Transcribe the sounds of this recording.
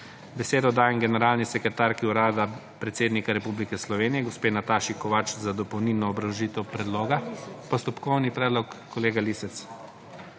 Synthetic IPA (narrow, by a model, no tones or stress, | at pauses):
bɛseːd̪ɔd̪aːjɛmɡɛnɛɾaːlnisɛkɾɛt̪aːɾkiuɾaːd̪a | pɾɛt̪seːd̪nikaɾɛpublikɛslɔʋeːnijɛɡɔspeːnat̪aːʃikɔʋat͡ʃzad̪ɔpɔwniːlnɔːbɾawʒiːt̪ɛwpɾɛd̪loːɡapɔst̪ɔpkɔwnipɾɛːd̪lɔkːɔleːɡalisɛt̪s